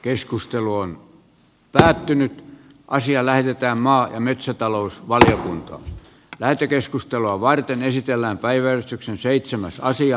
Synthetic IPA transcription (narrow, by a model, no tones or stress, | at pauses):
keskust̪eluon | pæːt̪ːynyt̪ | ʔɑsiɑlæhet̪et̪æːmmɑːjɑmet̪sæt̪ɑlousʋɑliokunt̪ɑ̰ː | læhet̪økeskust̪eluɑʋɑrt̪enesit̪elːæːmpæiʋæerst̪yksenseit̪semæsɑsiɑ